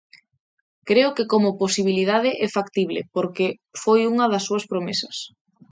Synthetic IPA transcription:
kɾeʊkekomʊposiβ̞iliðaðɪʔɛfakt̪iβlḛpoɾke | fojuŋɐðɐsːuɐspɾomesɐs

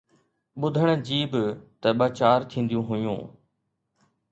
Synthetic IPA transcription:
ɓʊd̪ʱəɽ̃d͡ʑiːbt̪ɐɓaːt͡ɕaːɾt̪ʰĩːn̆d̪ijũɦʊjṵ̃ː

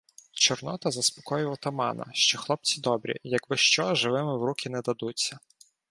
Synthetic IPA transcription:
t͡ʃɔrnɔt̪ɐzɐspɔ̥kɔjʊʋɔt̪ɐmɑ̰nɐ̰ʃt͡ʃɔxlˠɔp̚t͡sʲid̪ɔbɾʲḭjɐkbɪʃt͡ʃɔʒɪʋɪmɪwɾukʰʲɪnɛd̪ɐd̪ut͡sʲːɐ

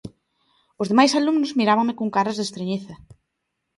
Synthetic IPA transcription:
ozðemajsalumnʊzmiɾaβɐŋmɪkoŋkaɾɐzðest̪ɾeɲiθɐ

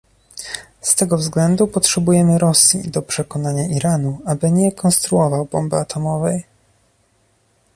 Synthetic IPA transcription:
st̪ɛɡɔvzɡlɛnd̪upɔtʂɛbujɛmɘɾɔsʲjḭd̪ɔpʂɛkɔnaɲaʔiɾanuabɘɲɛkʰɔnst̪ɾuɔvawbɔmbɘat̪ʰɔmɔvɛj

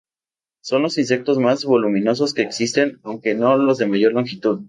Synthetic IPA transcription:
so̞nlo̞sins̬e̞k̚t̪o̞zmazβo̞lumĩno̞s̬o̞ske̞ːksist̪e̞nawŋke̞no̞lo̞zðe̞maʝo̞ɾloŋxit̪uð

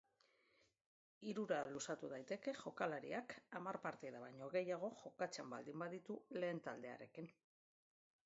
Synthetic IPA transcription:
iɾuɾalusat̪uðajt̪e̞ke̞ʝo̞kalaɾḭakamarpaɾt̪iðaβaɲo̞ɣe̞jaɣ̞o̞ʝo̞kat͡seamba̰ld̪imbaðit̪ule̞ːnt̪ald̪e̞a̰ɾe̞̰kin

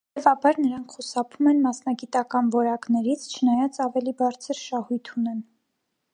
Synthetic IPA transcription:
t̪ɛvɑbɑɾnəɾɑŋkʰχusɑpʰumɛnmɑsnɑɡit̪ɑkɑnvɔɾɑknɛɾit͡sʰt͡ʃʰənɑjɑt͡sɑvɛlibɑɾt͡sʰəɾʃɑhujt̪ʰunɛn

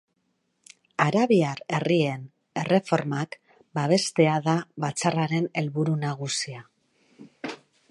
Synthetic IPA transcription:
aɾaβiaɾe̞rie̞n | e̞re̞fo̞ɾmak | baβe̞st̪e̞aðaβat͡saraɾe̞ne̞lβuɾunaɣusia

